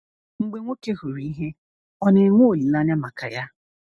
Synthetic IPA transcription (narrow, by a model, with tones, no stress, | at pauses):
ŋ͡m̩˨ɡ͡be˨ŋʷo˦ke˦ɦu˨ɾi˦i˦ɦe˦ | ɔ˦ne˨ŋʷo˦o˨li˨la˦ɲa˦ma˨ka̰˨ja˦